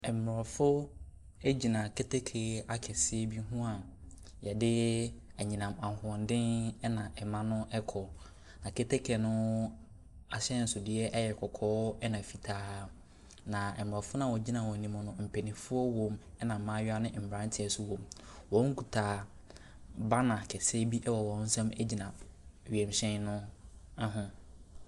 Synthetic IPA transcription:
ɛ˨m˨m˨ɾɔ˨fʊ˦ | e˦d͡ʑi˨nã˨kʰe˦tʰe˦kʰe˨a˦kʰɛ˨sɪ˦ɛ˦bi˦ɦũ˦a˨ | jɛ˨dɪ˦ | æ˨ɲĩ˨nã˨ma˨ʊ̃˨ɔ̃˨ndɪ̃˦n˦nã˨ʔɛ˨mã˦nʊ̃˦ʔɛ˦kʰɔ˨ | nã˨kʰe˦tʰe˦kʰɛ˨nʊ̃˦ | a˨ɕɛ˦n̩˨sʊ˨dɪ˦ɛ˦ʔɛ˦jɛ˨kʰɔ˨kʰɔː˦ɛ˦nã˨fi˨tʰaː˦ | nã˨ɛ˨m˨a˨fʊ˦nã˦˨wɔ˨d͡ʑi˦nã˨wɔ˨nĩ˨mɔ̃˨nʊ̃˦m̩˨pʰe˨nĩ˨fʊ˦ɔ˦wõ˨mɛ˦nã˨m̩˦mã˦ɥa˦nɪ̃˦˨m̩˨bã˦n̩˦tʰɪ˨ɛ˨sʊ˦wõ˨m | wɔ̃˨˦ŋ̩˦kʰu˨tʰaː˨ | ba˦nã˨kʰɛ˨sɛ˦bi˦ʔɛ˦wɔ˨wɔ̃˨˦n̩˦sɛ̃˦mɛ˦d͡ʑi˨nã˨ɥɛ˨m˨ɕɛ̃˦nnʊ̃˦a˦ɦʊ̃˦

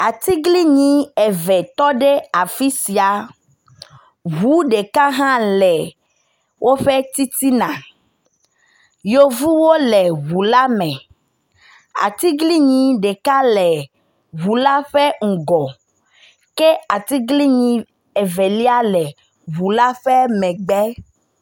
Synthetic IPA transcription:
a˨t̪i˦ɡli˦ɲĩ˦ɛ˨vɛ˨t̪ɔ˦ɖe˦a˨fi˦si˨a˨ | βu˨˦ɖe˨ka˦ɦã˦lɛ˨ | wʔo˦ɸe˦t̪i˦t̪i˦nã˨ | jo˦vu˦wo˦lɛ˨ɣu˨la˦mɛ̃˨ | a̰˨t̪i˦ɡli˦ɲĩ˨ɖe˨ka˦lɛ˨ | βu˨la˦ɸe˦ŋ̩˨ɡɔ˨ | ke˦a˨t̪i˦ɡli˦ɲĩ˨ | e˨ve˨li˦a˦lɛ˨ | βu˨la˦ɸɛ˦mɛ̃˨ɡ͡bɛ˦

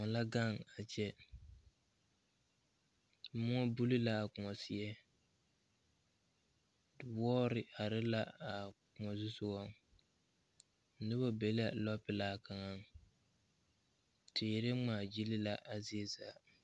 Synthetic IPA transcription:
ŋɔ˨la˦ɡa˦˨ŋa˨t͡ʃɛ˦ | mʊ˦ŋɔ˦bu˦li˦la˦a˨kʊ˨ŋɔ˨sɪ˦ɛ˦ | dɪ˨wɔː˦ɾɪ˨ʔa˨ɾɪ˦la˦a˨kʊ˨ŋɔ˨zʊ˦sʊ˦wɔ˦˨ŋ˨ | nʊ˦ba˦be˨˦la˦lɔ˦pɪ˨laː˦˨ka˨ŋa˦ŋ | tɪ˨ɾe˦ŋ͡maː˨d͡ʒi˦lɪ˦la˦ʔa˨zɪ˦ɛ˦zaː˨˦

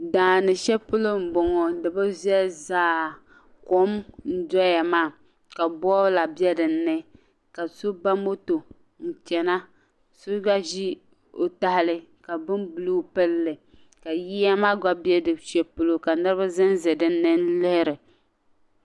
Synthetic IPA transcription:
daː˨nɨ˨ʃɛ˦pʊ˦lo˦m̩˨bɔ˨ŋɔ˨dɨ˨ba˦zi˦ɛ˦zaː˦ | ko˦mn̩˦dɔ˦ja˨maː˦˨ | ka˨bɔ˦la˨bjɛ˦dɨ˨˦nːɨ˦ | ka˨so˦ba˦mo˦to˨ | n̩˨t͡ʃɛ˨na˦ | so˦ɡa˦ʒi˦ | o˨ta˨hɪ˨lɨ˦ka˨bɨ˦nbu˨lu˦pɨ˦lːɨ˨ | ka˨ji˦ja˦maː˦ɡa˦bjɛ˦dɨ˨ʃɛ˦pʊ˦lo˦ka˨nɨ˦ɾɨ˦ba˦zɨ˦nzɛ˨dɨ˦nːɨ˦n˦lɪ˦hɪ˦ɾɨ˨

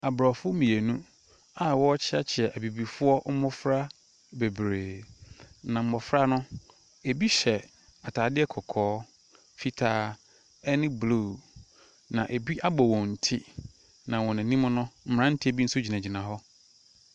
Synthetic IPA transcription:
a˨bɾɔ˨fʊ˦mĩ˨e˨nũ˦ | a˨wɔ˦t͡ɕʰɪ˦a˦t͡ɕʰɪ˨ɛ˨ʔæ˨bi˨bi˨fʊ˦ɔ˦m̩˦mɔ̃˦fɾa˦ | be˨bɾeː˨ | nã˨m̩˦mɔ˨fɾa˦nʊ̃˦ | e˨bi˦ɕɛ˨ | a˨tʰaː˨dɪ˦ɛ˦kʰɔ˨kʰɔː˨˦ | fi˨tʰaː˨˦ | ɛ˦nɪ̃˦blu˦˨ | nã˨ʔe˨bi˦ʔa˦bɔ˨wɔ̃˨n̩˨tʰi˦ | nã˨wɔ̃˨næ̃˨nĩ˦mʊ̃˦nʊ̃˦m̩˦m˨ɾã˦n̩˦tʰi˦æ˦bi˦n̩˦sʊ˦d͡ʑi˨næ̃˨d͡ʑi˨nã˨ɦɔ˦

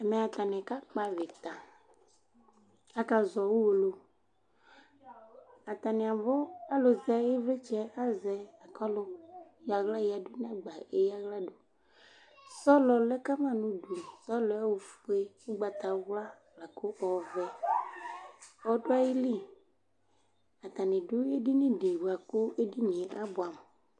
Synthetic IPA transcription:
ɛ˨mɛ˨a˨t̪a˨nɛ̃˨ka˦k͡pa˨ve˨t̪a˨ | a˨ka˨zɔ˨wu˦wo˨lo˨ | a˨t̪a˨nɛ̃˨a˨vɔ˦a˦lo˨zɛ˨je˦ve˦t͡ʃɛ˦a˦zɛ˨a˨kɔ˦lo˦ja˨ɣla˦ji˨a˨do˦nɛ̃˦ɡ͡ba˨e˨ja˦ɣla˦ɖo˨ | sɔ˦lɔ˨lɛ˦ka˦mã˦nũ˦du˨sɔ˦lɔ˨˦a˦wo˨fu˨˦e˦wu˦ɡ͡ba˨t̪a˨wla˦ | la˨ko˦ʔɔ˨vɛ˦ | ɔ˦ɖo˦a˦ji˦li˦˨ | a˨t̪a˨nĩ˨ɖu˦e˦di˦nĩ˦ɖe˨wa˨ko˦e˦di˦ɲẽ˨ʔa˦bo˨a˨m˨

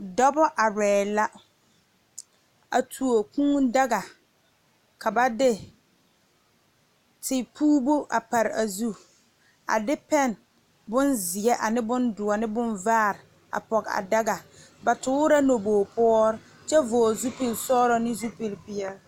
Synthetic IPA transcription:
dɔ˦bɔ˦ʔa˨ɾɛː˨la˦ | a̰˨tʰu˨o˨kũː˦da˦ɡa˨ | kʰa˨ba˦dɪ˦ | tʰɪ˨pʰuː˦bo˦ʔa̰˨pa˨ɾɪ˨a˨zu˦ | a̰˨dɪ˦pɛ˦˨n | bʊ˦nzɪ˨ɛ˦ʔa˨nɪ˦bʊ˦ndʊ˨ɔ˨nɪ˦bʊ˦nvaː˦˨ɾɪ˨ | a̰˨pɔ˨ɡa̰˨da˦ɡa˨ | ba˨tʊː˦ɾa˦no˨boː˨pɔ˦ɔ˦ɾ | t͡ʃɛ˦vɔː˨zu˦pi˨lsɔː˦ɾɔ˦nɪ˦zu˦pi˨lbi˨ɛ˦˨

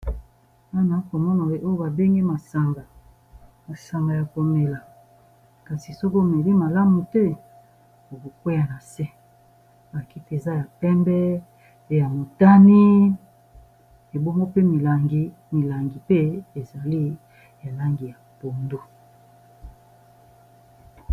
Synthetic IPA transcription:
wa˦na˨˦ko˨mɔ˦na˨˦ʔo˦jo˦ba˨be˦ŋɡi˦ma˨sa˨ŋɡa˨ | ma˨sa˨ŋɡa˨ja˨ko˨me˨la˨ | ka˨si˨sɔ˦ko˦˨me˨li˦ma˨la˦mu˨tɛ˦ | o˨ko˨ke˦ja˦na˨sɛ˦ | ba˨ki˦te˨za˦ja˨pɛ˦mbɛ˦ | ja˨mo˨ta˦ni˦ | e˨bo˦ŋɡo˦pe˦mi˨la˨ŋɡi˦ | mi˨la˨ŋɡi˨pe˦e˨za˨li˦ | ja˨la˦ŋɡi˨ja˨po˨ndo˦

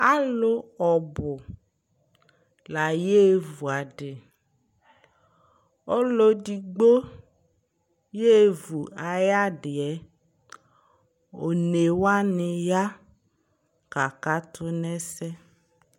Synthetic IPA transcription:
a˦lo˦ɔ˨bʊ˨ | la˨je˦vu˨a˨ɖɪ˨ | ɔ˦lo˦di˨ɡ͡bo˦ | je˦˨vu˨a˨ja˦ɖɪ˨ɛ˨˦ | o˨ne˨wa˦nɪ˨ja˦ | ka˨ka˦t̪ʰʊ˦nɛ˦sɛ˦

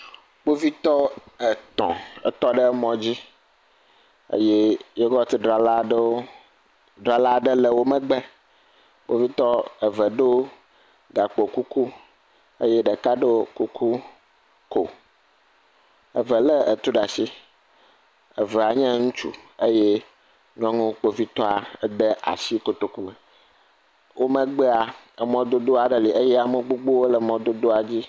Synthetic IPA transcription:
b̥o˦vi˦t̪ɔ˦ɛ˨t̪ɔ̰̃˨ɛ̰˨t̪ɔ˦ɖe˦mɔ̃˦d͡ʑi˦ | ḛ˦je˦je˦ɡɔ˦t̪i˦ɖɾa˨la˦ | ɖɾa˨la˦ɖe˦lɛ˨wo˦mɛ̃˦ɡ͡bɛ˦ | k͡po˦vi˦t̪ɔ˦ɛ˨vɛ˨ɖe˦wo˦ | ɡa˨k͡po˨ku˦ku˦ | ḛ˦jɛ˦ɖɛ˨ka˦ɖe˦wo˦ku˦ku˦ | ko˨ | ə˨və˨lə˦ə̰˨t̪u˦ɖa˨si˦ | ə˨vɛ˨a˨ɲɛ̃˦ŋũ˦t͡ʃṵ˦ə˦jɛ˦ | ɲ˦ɔ̃˦ŋũ˦k͡po˨vi˦t̪ɔ˦a˨˦d̪e˦ʔa̰˨si˦ko˨t̪o˨ku˦mɛ˨ | wʔo˦mə̃˦ɡ͡bɛ˦a˨ | ə˨mɔ̃˦d̪o˦d̪o˦a˨ɖə˨li˨ʔə˦jɛ˦a˨mə˨ɡ͡bu˦ɡ͡bo˦wo˦lə˨mɔ̃˦d̪o˦d̪o˦a˨d͡ʑi˦

